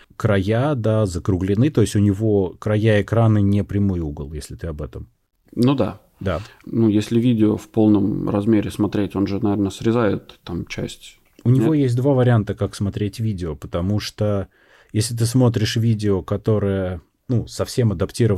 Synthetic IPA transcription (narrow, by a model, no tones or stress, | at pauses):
kɾɐjad̪azəkɾʊɡlʲɪnɨt̪o̞jɪsʲtʲʊnʲɪvo̞kɾɐjaɪkɾanɨnʲɪpɾʲɪmojuɡəlˠjesʲlʲɪt̪ɨɐbɛt̪əm | nud̪a̰ | d̪anujesʲlʲɪvʲidʲɪofpo̞lˠnəmrɐ̰zmʲeɾʲɪsmɐt̪ɾʲetʲo̞nʐɨnɐvʲernəsɾʲɪzajɪt̪ːamt͡ɕæ̰sʲtʲ | ʊnʲɪvʲo̞jesʲt̬̚ʲd̪vavəɾʲɪant̪əkaksmɐt̪ɾʲetʲvʲidʲɪopə̥t̪ɐmuʂt̪o | jesʲlʲɪt̪̬ɨsmo̞t̪ɾʲɪʂvʲidʲɪokɐt̪o̞ɾɨjə | nusɐfsʲemɐd̪ɐptʲiɾəv